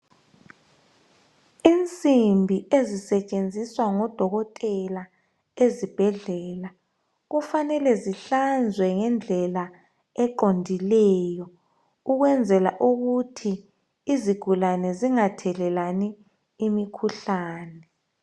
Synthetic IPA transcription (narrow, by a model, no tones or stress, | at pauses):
int͡sʼimbʱiʔezisɛt͡ʃʼend͡zʱiswaŋɔd̥ʱɔɣɔtʼɛla | ezib̥ʱɛɮɛːla | ɣufanɛlɛziɬand͡zʱwɛŋɛnd͡ɮʱɛla | ɛǃondʱilɛjɔ | uɣwɛnd͡zʱɛla̰ʔuɣutʰiː | ziɡ̥ʱulanɛziŋatʰɛlɛlaniː | mikʰuɬaːnɛ